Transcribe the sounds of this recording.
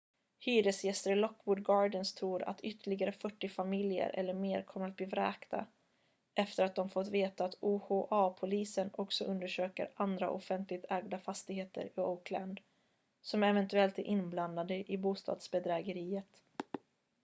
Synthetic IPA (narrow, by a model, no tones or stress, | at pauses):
hyːɾəsjɛst̪əɾɪlɔkːwʊd̪ɡɑːɖənst̪ʰɾuːɾa̰t̪ʏt̪ːəɭɪɡaɾəfœʈːɪfamɪljə̰ɾʔɛ̰lːəɾmeːɾkʰɔmːəɾat̪̚bliːvɾɛ̰ːkt̪a̰ | ʔɛft̪əɾat̪̚d̪ɔmfɔt̪veːt̪aːt̪uːhoːʔɑːpʰʊliːsənɔksɔʔɵnd̪əʂøːkə̰ɾand̪ɾa̰ʔɔfɛnt̪lɪɡ̚t̪ʰɛːɡd̪afast̪ɪɡheːt̪ʰə̰ɾɪokʰland̪ | sɔmɛvɛnt̪ɵɛlt̪æɾʔɪnːbland̪ad̪əʔɪbuːst̪ɑ̰ːd̪sbɛd̪ɾɛːɡəɾiːət̪